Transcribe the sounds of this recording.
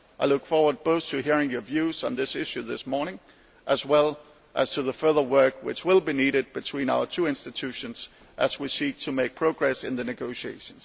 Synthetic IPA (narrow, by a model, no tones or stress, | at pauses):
ʔaɪlʊkfɔɹwə˞d̚boʊθtʰɨɦiɹɪ̃ŋjə˞vjʉzn̩ðɪsɪʃʉðɪsmɔɹnɪ̃ŋ | ʔəzwɛlˠ | ʔəz̥tʰɨðəfɜ˞ðə˞wɜ˞kwɪ̰t͡ʃwɪlˠbiniɾɨd̚b̥ɨtʰw̥ĩna̰ʊə˞tʰʉɪ̃nstɨtʰʉʃɨ̃nz̥ | ʔɨzwisik̚tʰɨmeɪk̚pʰɹ̥oʊɡɹɛsɨ̃nðɨnɨɡoʊʃiḛɪʃɨ̃nz̥